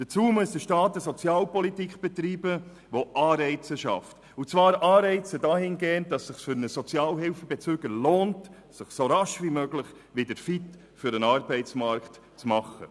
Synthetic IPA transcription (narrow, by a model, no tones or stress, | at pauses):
d̥ət͡suːməsd̥əʃtɑːtəsɔt͡sjɑːlpɔlitikb̥ɛt̪ɾiːbə | ʋoʔɑːɾɛɪt͡səʃɑ̰ft | ut͡sʋɑːɾɑːɾɛɪt͡sədɑːhɪnɡeːndɑsːɪχsfʏɾnəsɔt͡sjɑːlɦɪlfəbɛt͡søɡ̥əloːnt | sɪχsoɾɑʃʋimøɡlɪχ | ʋidəɾfit | fʏɾənɑɾbɛɪtt͡smɑɾkt | t͡smɑχːə̰